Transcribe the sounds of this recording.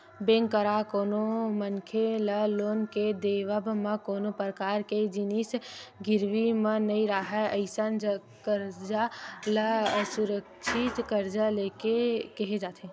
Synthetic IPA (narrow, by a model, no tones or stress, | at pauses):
bẽːŋɡkːəɾakoːnomənkʰeləloːnked̪eʋəbʱməkoːnopɾəkaːɾked͡ʒinisɡiɾʋimə̃nəĩɾaɦɛəɪsənd͡ʒə | kəɾd͡ʒaləsuɾəkt͡ʃʰit̪kəɾd͡ʒalekekəɦed͡ʒaːt̪ʰe